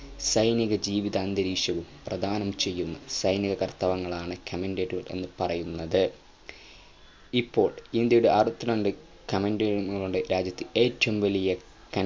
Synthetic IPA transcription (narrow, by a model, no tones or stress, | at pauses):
sɐjniɣɐd͡ʑiːʋiðɐːnd̪ɐɾiːkʂɐʋumprɐd̪ʱaːnɐmt͡ɕe̞jːunːɐsɐjniɣɐkɐrt̪ɐʋɐŋːɐɭaːɳɨkʰɐmendeːʈːuɣɐre̞̰nːɨpɐrɐjunːɐðɨ | ipːo̞ːɭind̪jɐjuɽeʔɐrut̪ːunɐnɖɨ | kɐmendeŋɐɭuɽeɾaːd͡ʑjɐt̪ːɨe̞ːtːɐʋumʋɐlijɐ | kɐ